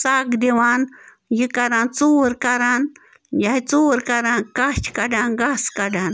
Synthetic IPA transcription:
sakd̪eʋaːn | jikɐɾaːnt͡suːɾkɐɾaːn | jait͡suːɾkɐɾankat͡ʃkɐɖaːnɡaskɐɖaːn

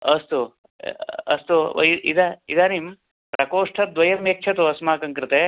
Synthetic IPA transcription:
ɐst̪u | ɐ̰st̪ṵiid̪aid̪anim | pɾɐkoːʂʈʰɐd̪ʋɐjɐmeːkːt͡ʃʰɐt̪uɐsmaːkɐŋkɾɪt̪e

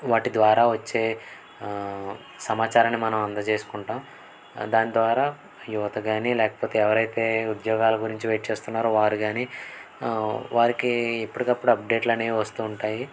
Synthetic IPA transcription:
ʋaːʈid̪ʋaːɾaːʋɐt͡ʃːe̞ː | sɐmaːt͡ʃaːɾɐnːimɐnɐmɐnd̪ɐt͡ʃe̞ːsu̥kuɳʈaːm | d̪aːnid̪ʋaːɾaː | juʋɐt̪ɐɡaːnilɛːkɐ̥poːt̪e̞ːɛʋɐɾɐjt̪e̞ːud̪jɔːɡaːlɐɡuɾiɲt͡ʃiʋejʈt͡ʃe̞ːst̪unːaːɾuʋaːɾuɡaːniː | ʋaːɾikiepːuɽikɐpːuɽuɐp̚ɖe̞ːʈlɐneːiʋɐst̪uːɳʈaːji

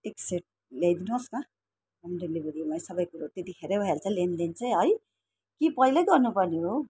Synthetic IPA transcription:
ekseʈ̚ | leajd̪inoska | ʌmɖeblibeɾimajsʌbʌjkuɾot̪et̪ikʰeɾebʱʌjalt͡sʌ̃lenlent͡saj̃ɦʌj | kipʌjlʌɡʌrnupʌrneɦo

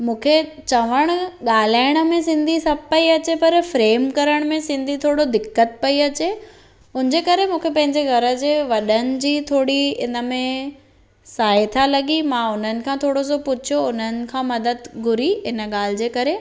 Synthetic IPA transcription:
mũːkʰe | t͡ɕɐʋəɽ̃ɠaːl̤aːɪɽ̃ə̆mẽsɪ̃nd̪ʱisɐbpːɐiɐt͡ɕepɐɾfɾeːmkɐɾəɽ̃mẽsɪ̃nd̪ʱit̪ʰoːɽod̪ɪkːət̪̚pɐiɐt͡ɕe | ʊ̃nɪd͡ʑeːkɐɾemũːkʰepɐ̃ɦɪ̃ɲd͡ʑeɡʱɐɾə̆d͡ʑeːʋɐɗənɪ̆d͡ʑiːt̪ʰoːɽiɪnə̆mẽ | saːɦɪt̪ʰalɐɠimãʊn̤ənɪ̆kʰãːt̪ʰoːɽosopʊt͡ɕʰjoʊnənɪ̆kʰãːmɐd̪əd̪ɡʱʊɾiɪnə̆ɠaːl̤ɪd͡ʑeːkɐɾe

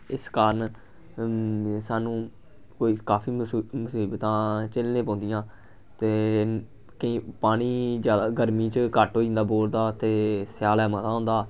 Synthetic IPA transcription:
ɪskaːɾən | saːnũː | koːiːkaːpʰiːməsiːbt̪ãːt͡ʃəlnẽːpõːnd̪ɪjãː | t̪eː | kəĩːpaːɽ̃iːd͡ʒjaːd̪aːɡəɾmiːt͡ʃkəʈɦoːĩːnd̪aːboːld̪aːt̪eːsjaːlɛːmət̪ãːɦʊ̃nd̪aː

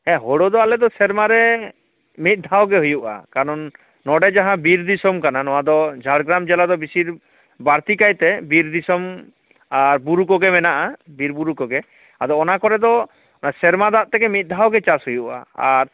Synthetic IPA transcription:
ɛ̃ɦɔɽod̪ɔalɛd̪ɔsɛɾmaɾɛ | mit̪̚ˀd̪ʱawɡɛɦujuʔa̰kaɾɔnː | ɔɖɛd͡ʒaɦãbiɾd̪isɔmkananɔwad̪ɔd͡ʒʱaɽɡɾamd͡ʒɛlad̪ɔbisiɾ | baɾt̪ikajt̪ɛbiɾd̪isɔm | aɾbuɾukɔɡɛmɛnaʔabiɾbuɾukɔɡɛ | ad̪ɔːnakɔɾɛd̪ɔ | nasɛɾmad̪aʔ̪̚t̪ɛkɛmit̪̚ˀd̪ʱawɡɛt͡ʃashujuʔa̰aɾ

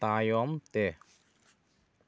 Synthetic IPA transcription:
t̪aːjɔmt̪e

